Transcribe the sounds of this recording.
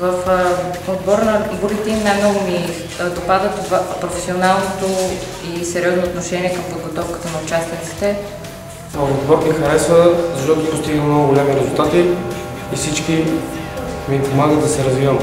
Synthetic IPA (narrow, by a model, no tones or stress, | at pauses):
vəf | od̪bɔɾnɐbuɾit̪ɛimnajmnɔɡʊmi | d̪opad̪ət̪vapɾofɛ̥sionalˠnot̪o | isɛɾjɔznoːt̪noʃɛniɛkɐmpod̪̚ɡot̪ɔfkə̥t̪ənɐʊt͡ʃast̪it̪si̥t̪ɛ | vəfod̪bɔɾmixɐɾɛsvəzɐʃt̪ɔt̪ʊpost̪iɡəmnɔɡʊɡolʲɛmiɾɛzulˠt̪at̪iː | sit͡ʃki | mipomaɡəd̪ɐsɛɾɐzvivəm